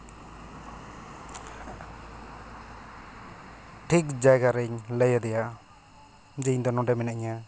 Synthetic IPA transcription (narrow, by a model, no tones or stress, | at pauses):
ʈʰik̚d͡ʒajɡaɾɛŋləjad̪ɛja | d͡ʒɯɲd̪ɔnɔdamɛnaʔɲa